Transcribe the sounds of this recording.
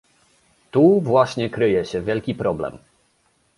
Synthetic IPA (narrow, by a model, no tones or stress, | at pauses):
t̪uvwaɕɲɛkɾɘjɛɕɛvʲjɛlkʲipɾɔblɛ̰m